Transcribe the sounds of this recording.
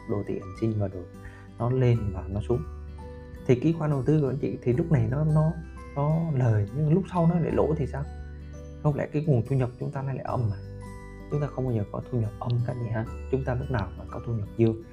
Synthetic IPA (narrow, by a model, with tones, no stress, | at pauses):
ɗo˨˩t̪ḭ˧˨ʔa˨˩ŋsï˧ŋ̟vaː˨˩ɗo˨˩ | nɔ˨˦le˧nmaː˨˩nɔ˨˦su˨˦əŋŋ͡m | t̪ʰi˨˩ki˨˦xwaː˧nɗə˨˩wt̪ɨ˧kːnt͡ɕḭ˧˨t̪ʰi˨˩lʊ˦˥k͡p̚na˨˩jnɔ˨˦nɔ˨˦ | nɔ˨˦ləː˨˩jɲɨ˧˦lʊ˦˥k͡p̚sa˧wnɔ˨˦ɗḛ˧˩˨lo̰˧˥˨t̪ʰi˨˩saː˧w | hə˧wŋ͡mlɛ̰˧˥kaː˨˦jŋu˨˩ənt̪ʰu˧ɲə˨˩p̚t͡ɕʊ˨˦ŋ͡mt̪aː˧laː˧˦jla̰ː˧˩ʔə˧mːaː˨˩ | t͡ɕʊ˨˦ŋ͡mt̪aː˧xə˧wŋ͡mkːɲəː˨˩kɔ̰˨˦t̪ʰu˧ɲə˨˩p̚ʔə˧mkaː˦˥k̚ḭ˨˩haː˧t͡ɕʊ˨˦ŋ͡mt̪aː˧lʊ˦˥k͡p̚naː˨˩wmaː˨˩kɔ˨˦t̪ʰu˧ɲə˨˩p̚zɨ˧əŋ